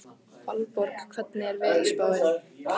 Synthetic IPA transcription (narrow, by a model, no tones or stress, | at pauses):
falpɔɾkkʰvɛt̪nɪɛɾvɛːlɪspaːwðɪ